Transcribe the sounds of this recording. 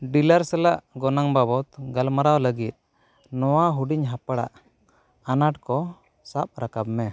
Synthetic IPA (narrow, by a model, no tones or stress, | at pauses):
ɖilaɾsɛlaʔɡɔnaŋbabɔt̪ɡalmaɾawləɡit̪̚ˀ | nɔwaɦuɖiɲɦapaɽa̰ʔ | anaʈ̚kɔ | sap̚ɾakabmɛ